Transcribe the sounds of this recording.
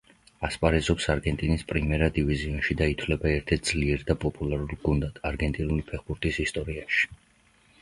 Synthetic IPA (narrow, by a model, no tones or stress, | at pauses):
aspʼaɾɛzɔpsaɾɡɛnt̪ʼinispʼɾimɛɾad̪iviziɔnʃid̪ait̪ʰwlɛbaɛɾt̪ʰɛt̪d̪zliɛɾd̪apʼɔpʼulˠaɾulˠɡund̪ad̪̥aɾɡɛnt̪ʼinulipʰɛχbuɾt̪ʼisist̪ʼɔɾiaʃi̥